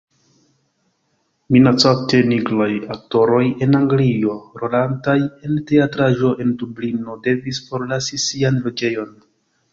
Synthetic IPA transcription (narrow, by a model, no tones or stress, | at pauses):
minat͡sate̞niɡlojak̚to̞ɾo̞je̞naŋɡlio̞ɾolantaje̞nte̞atɾaʒo̞ʔe̞ndublino̞de̞visfo̞ɾlasisianlo̞d͡ʒe̞jo̞n